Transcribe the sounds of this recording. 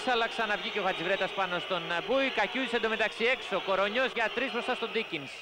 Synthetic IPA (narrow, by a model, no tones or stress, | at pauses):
sɐlɐksɐnɐvʝicoɣɐzivɾe̞t̪ɐspɐno̞st̪o̞nbuikɐcuðisend̪omet̪ɐksie̞kso̞ko̞ɾo̞ɲo̞zʝɐt̪ɾizpɾosɐst̪o̞d̪icins